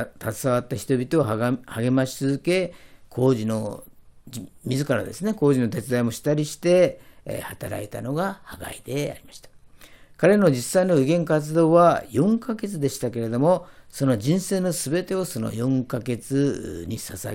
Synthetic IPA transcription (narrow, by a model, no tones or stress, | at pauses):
t̪at͡sɨ̥saβat̪ːaçi̥t̪o̞bʲit̪o̞ːhaɡe̞maɕi̥t͡sɨzɨke̞kʰo̞ːʑino̞ | mʲizɨkaɾa̰d̪e̞̰sɨneko̞ːʑino̞t̪e̞t͡sɨd̪aimo̞ɕi̥t̪aɾʲiɕi̥t̪e̞̰hat̪aɾa̰it̪a̰no̞ɡahaɡa̰id̪̥e̞a̰ɾʲimaɕi̥t̪ḁkaɾe̞no̞d͡ʑisːaino̞ɯɡẽ̞ŋkat͡sɨd̪o̞ːβajõ̞ŋkake̞t͡sɨd̪e̞ɕi̥t̪ake̞ɾe̞d̪o̞mo̞so̞no̞d͡ʑĩɰ̃se̞ːno̞sɨbe̞t̪e̞o̞so̞no̰jõ̞ŋkake̞t͡sɨɲ̟isasa̰